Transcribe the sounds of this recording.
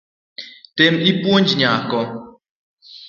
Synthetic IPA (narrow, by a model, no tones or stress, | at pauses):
temipwond͡ʒɲaːkɔ